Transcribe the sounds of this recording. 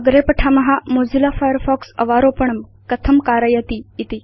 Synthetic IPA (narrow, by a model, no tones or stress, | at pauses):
əɡɾepəʈʰamɐɦamod͡zilafajəɾfɔksə̰ʋaɾopəɳəm | kət̪ʰəmkaːɾəjat̪iːt̪i